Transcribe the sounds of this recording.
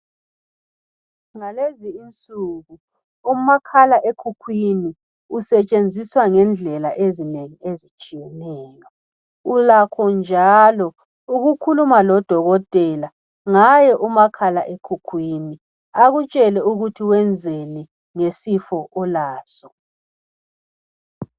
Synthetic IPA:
ŋaleziːnt͡sʼuɣu | umakʰalaʔekʰukʰwini | usɛt͡ʃʼend͡zʱiswaŋɛnd͡ɮʱɛlaʔezineŋiezit͡ʃʼijɛnɛːjɔ | ulakʰɔnd͡ʒʱalɔ | uɣukʰulumalɔd̥ʱɔɣɔtʼɛla | ŋajɛʔumakʰalaʔekʰukʰwini | aɣut͡ʃʼɛlɛuɣutʰiwɛnd͡zʱeli | ŋesifɔʔɔlaːsɔ

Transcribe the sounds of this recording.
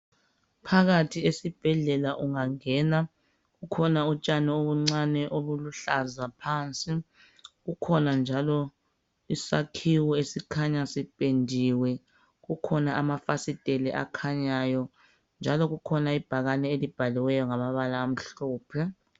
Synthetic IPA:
pʰaɣatʰiesib̥ʱɛɮɛlaʔuŋaŋɛːna | ɣukʰɔnaut͡ʃʼanɛoβuŋ͡ǀanɛʔoβuluɬazapʰaːnt͡sʼi | ɣukʰɔnand͡ʒʱalɔ | isakʰiwɔesikʰaɲasipʼendʱiwɛ | ɣukʰɔnaʔamafasitʼelɛʔa̰kʰaɲajɔ | nd͡ʒʱalɔɣukʰɔnaib̥ʱaɣanɛelib̥ʱaliwɛjɔŋamaβalaːm̩ɬɔːpʰɛ

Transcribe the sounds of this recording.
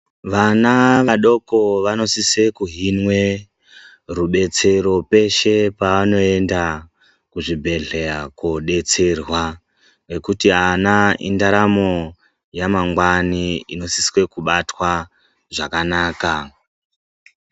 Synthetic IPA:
ʋanaʋaɗo̞ko̞ʋano̞siswe̞kuɦinwe̞ | ruɓe̞t͡se̞ɾo̞pe̞ʃe̞paano̞e̞nda | kuʐibʱe̞ɮe̞ɾakoɗe̞t͡se̞rwa | we̞kutianaindaɾamo̞ | jamaŋɡwaniino̞siswe̞kuɓatwa | ʐakanaːka

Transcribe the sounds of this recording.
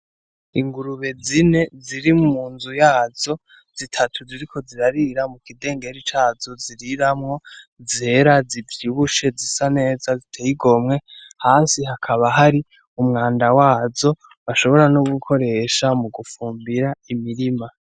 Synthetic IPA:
iŋɡuɾuβe̞zine̞ziɾimumuːnzujaːzo̞ | z̥itʰatʰuziɾikʰo̞ziɾaɾiɾamukide̞ːŋɡe̞ɾit͡ʃaːzo̞ziɾiɾamŋo̞ze̞ɾazivjiβuʃe̞zisane̞ːzazitʰejiɡo̞mŋe̞haːnsiɦakʰaβaɦaɾi | umŋaːndawaːzo̞ | βaʃo̞βo̞ɾanoɡukʰo̞ɾe̞ʃamuɡufuːmbiɾaimiɾima

